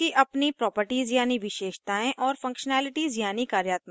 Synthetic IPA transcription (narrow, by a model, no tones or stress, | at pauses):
iʔɐpnipɾɔːpəɾʈiːzjaːniʋɪʃeːʃt̪aːẽʔɔːɾfɐ̃ŋkʃənaːlɪʈiːzjaːnikaːɾjaːt̪m̃